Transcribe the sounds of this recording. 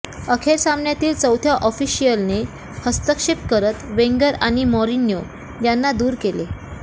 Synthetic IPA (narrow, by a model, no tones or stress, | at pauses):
əkʰeɾsamnjat̪iːlt͡səwt̪ʰjaʔɔfiɕijəlne | həst̪əkʂepkəɾət̪ʋeŋɡəɾaɽ̃imɔɾinjo | janːad̪uːɾkele